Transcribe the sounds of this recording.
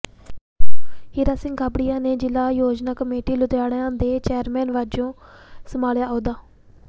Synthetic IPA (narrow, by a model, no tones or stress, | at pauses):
hiɾaːsɪ̃ŋɡɡabɽɪjãːneːd͡ʒɪlaːjoːd͡ʒnaːkəmeːʈiːlʊt̪jaːɽjãːd̪eːt͡ʃeːəɾmɛːnʋaːd͡ʒõːsəmaːljaːʔoːd̪aː